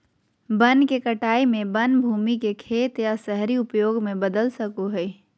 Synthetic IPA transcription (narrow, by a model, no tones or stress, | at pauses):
bənkekəʈaːimẽbənbʱuːmikekʰeːt̪jasɛɦɾiʊpjoːɡmẽbəd̪əlsəkoɦɛi